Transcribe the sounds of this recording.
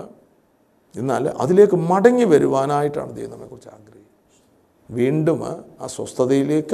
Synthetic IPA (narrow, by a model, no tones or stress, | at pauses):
enːaːlʔɐ̰ðile̞ːkːɨmɐɽɐŋːiʋɐɾuʋaːnaːjiʈːa̰ːɳɨt͡ɕɐ̰junːɐmːḛkurit͡ɕːa̰ːɡrɐhik | ʋiːɳɖuma̰ːswɐst̪ʰɐðɐjile̞ːkːɨ